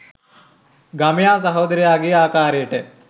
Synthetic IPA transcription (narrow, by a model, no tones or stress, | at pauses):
ɡamjaːs̬ɐɦoːd̪ɐɾijaːɡiaːkaːɾeːʈe